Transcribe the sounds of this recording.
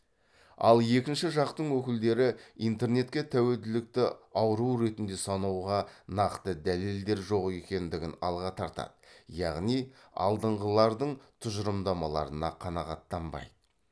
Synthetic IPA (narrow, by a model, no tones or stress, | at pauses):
ɑ̰lˠje̞kʲɪnʃɪʒɑqt̪əɴwɵkʲɪld̪e̞ɾɪijnt̪e̞rne̞t̪kʲe̞t̪ʰæweld̪ɪlɪk̚t̪ɪɑwəɾuwɾe̞t̪ɪnd̪e̞sɑnuwʁɑnɑqt̪əd̪æle̞ld̪e̞ɾʒo̞qe̞kʲe̞nd̪ɪɡʲɪnɑ̰lˠʁɑt̪ʰɑɾt̪ɑ̰d̪əjɑʁnijɑ̰lˠd̪əɴʁəlˠɑɾd̪əɴt̪ʰʊʒəɾəmd̪ɑmɑlˠɑ̰ɾənɑqʰɑnɑʁɑt̪ːɑmbɑ̰jd̪ə